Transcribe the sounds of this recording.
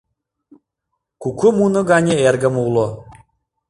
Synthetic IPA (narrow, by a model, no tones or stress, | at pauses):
kukumunɤ̆ɡanʲeerɡə̆mulˠo